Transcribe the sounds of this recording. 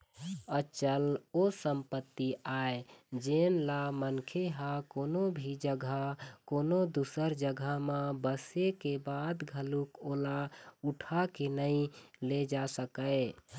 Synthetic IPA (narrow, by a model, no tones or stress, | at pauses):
ət͡ʃəlosəmpət̪ːiaed͡ʒenlamənkʰeɦakonobʱid͡ʒəɡʱəkonod̪usəɾd͡ʒəɡʱəmẽbəsekebad̪ɡʱəlukolauʈʰakenəĩled͡ʒasəkəɪ